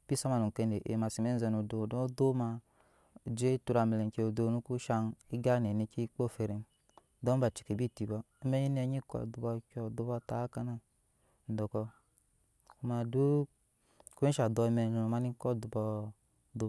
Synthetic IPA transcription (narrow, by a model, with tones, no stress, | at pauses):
b̥i˦sa˦ma˨nu˨ke˧˨ne˨ʔḛ˨ma˨si˨me˦n˦zɛ˧nu˨do˨do˦do˦ma˧˨ | d͡ʒe˦tu˧ɾa˨me˨le˨ke˨o˨do˦nu˦ku˦ʃa˧ni˦ɡa˦ne˨ne˦ki˦k͡po˦˨fe˧ɾe˨m | dɔ˦m˦ba˨t͡ʃi˨ke˨bi˦˨ti˨bɔ˦me˦ɲi˦ni˦a˧˨ɲi˦kɔ̰˨du˨bɔ˧kʲɔ˨du˨˦bɔ˦˨ta˨˦ka˦na˦˨ | n̩˨dɔ˨kɔ˧ | ku˦ma˧du˦ | ku˦ʃa˨dɔ˧˨me˨nu˨nu˨ma˦ni˦kɔ˦˨du˨bɔ˧ | du˨˦